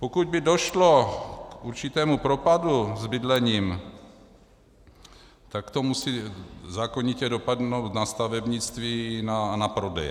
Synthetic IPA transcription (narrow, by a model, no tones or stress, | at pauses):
pokuɟ̚bɪdo̞ʃlo̞kʔuɾt͡ʃɪt̪ɛːmupɾo̞paduzbɪdlɛɲiːm | t̪akt̪o̞musizaːkoɲɪcɛdo̞padnowt̪nast̪avɛbɲɪt͡st̪viːnanapɾo̞dɛjɛ̰